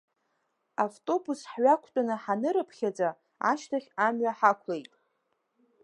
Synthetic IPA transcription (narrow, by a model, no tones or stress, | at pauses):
avtʼo̞busħɥakʷʰtʼanɨħanɨɾɨpʰχʲad͡za | a̰ʃtʰaχʲamɥaħakʷʰlejtʼ